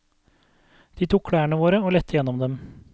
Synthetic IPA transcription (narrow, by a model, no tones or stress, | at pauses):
d̪̥iːt̪ʰuːkʰɽæːəɳəʋoːɾəoːlɛt̪ʰːəjɛnːɔmd̪ɛm